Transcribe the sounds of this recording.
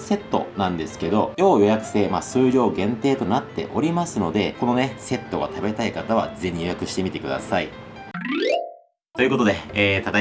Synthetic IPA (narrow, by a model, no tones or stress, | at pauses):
se̞t̪ːo̞̰nãnd̪e̞sɨ̥ke̞d̪o̞jo̞ːjo̞jakɯ̟̥se̞ːmasɨːɾʲo̞ːɡẽ̞nt̪e̞ːt̪o̞nat̪ːe̞̰ʔo̞ɾʲimasɨno̞d̪e̞ko̞no̞ne̞se̞t̪ːo̞ɡa̰t̪abe̞t̪aikat̪aβ̞a̰ze̞ɲ̟ijo̞jakɯ̟ɕi̥t̪e̞mʲit̪e̞k̟d̪a̰sai | t̪oiɯ̟ko̞t̪o̞d̪e̞ːt̪at̪a